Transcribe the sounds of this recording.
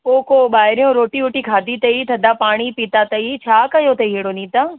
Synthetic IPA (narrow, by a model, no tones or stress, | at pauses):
oːkoɓaːɦɪɾijõɾoːʈiʊʈikʰaːd̪ʱit̪ɐit̪ʰɐd̪apaːɽ̃ipiːt̪at̪ɐit͡ɕʰaːkɐjot̪ɐiɦeɽonĩːt̪aː